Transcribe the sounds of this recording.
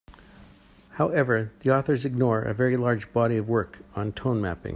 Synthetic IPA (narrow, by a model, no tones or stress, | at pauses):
haʊɛvə˞ðiɔθə˞zɨɡ̚nɔɹɨ̰vɛɹilɑɹd͡ʒbɑɾiʌvwɜ˞kn̩tʰõʊ̃nmæ̰pɪ̰̃ŋ